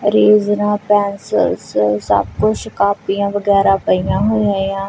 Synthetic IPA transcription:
ɾeːznãːpɛːnsə̰lssə̰bkʊt͡ʃʰʃkaːpijãːʋəɡɛːɾaːpəijãːɦoːiaːijãː

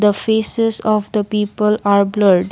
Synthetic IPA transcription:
d̪əfeːsɪzɔfd̪əpiːpəlaːɾbləɾɖ

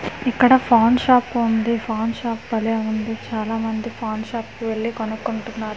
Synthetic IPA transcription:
ikːɐɽɐpʰaːnʃaːpund̪ipʰaːnʃaːpbɐleːund̪it͡ʃaːlaːmɐnd̪ipʰaːnʃaːpʋeɭːikonukːoɳʈunːaːɾu

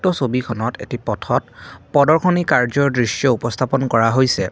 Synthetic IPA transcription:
tɔsobikʰɔnɔtḛtipɔtʰɔt̚pɔdɔɹkʰɔnikaɹzɔɹdɹisjɔupɔst̪ʰapɔnkɔɹaɦojsɛ

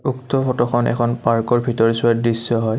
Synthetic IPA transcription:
uktɔfʰɔtɔxʰɔnɛ̰kʰɔnpaɹkɔɹbʱitɔɹiswadisːɔɦɔj

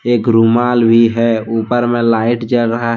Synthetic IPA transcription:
eːkɾumaːlbʱiɦɛuːpəɾmẽlaːɪʈd͡ʒəlɾəɦaɦ

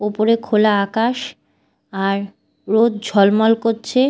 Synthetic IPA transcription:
opoɾekʰolaakaʃ | aɾː | od̪̚d͡ʑʱɔlmɔlkoɾt͡ɕʰe

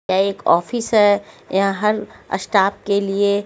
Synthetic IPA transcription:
aeːkɔ̰ːfɪsɦɛ | jãɦɐɾɐ̰sʈaːp̚kelie

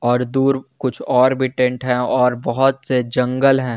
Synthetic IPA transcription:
ɔːɾd̪uːɾkʊt͡ʃʰɔːɾbʱiʈẽːɳʈɦɛ̃ɔːɾbɔɦʊt̪sed͡ʒɐ̃ŋɡəlɦɛ̃ː

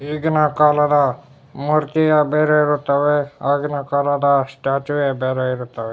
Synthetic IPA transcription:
iːɡnɐkaːlɐd̪ɐ | muɾt̪ijabeːɾeiɾut̪ːɐʋeaːɡnɐkaːlɐd̪ɐsʈaːt͡ʃʋebeːɾeiɾut̪ːɐʋe

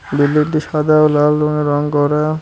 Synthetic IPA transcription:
bilːit̪iʃad̪ʱaolalɾoneɾɔŋkɔɾa

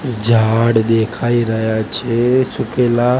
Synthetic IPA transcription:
d͡ʒʱaːɽɗ̪eːkʰaːiɾəɦjat͡ʃʰesʊkeːla

